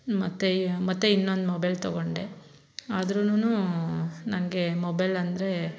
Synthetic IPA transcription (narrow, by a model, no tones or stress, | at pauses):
mɐt̪ːemɐt̪ːeinːond̪mobɐjlt̪ɔɡoɳɖe | aːd̪ɾununu | nɐmɐɡe̞mobɐjlɐnd̪ɾe̞